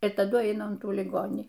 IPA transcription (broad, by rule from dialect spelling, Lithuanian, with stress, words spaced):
ɪr tɐˈdʊ ˈɐɪnɐ ʊn ˈtuː lʲɪˈɡoːnʲiː